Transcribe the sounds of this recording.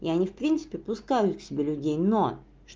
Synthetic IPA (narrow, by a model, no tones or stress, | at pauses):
ḭɐnʲifpɾʲint̪sɨ̥pʲɪpʊskajʊt̪ksʲɪbʲelʲʊdʲejno | ʂ